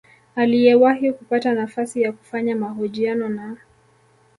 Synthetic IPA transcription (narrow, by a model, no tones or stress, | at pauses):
alijɛwahikupatanafasijaku̥faɲamaɦɔʄianɔna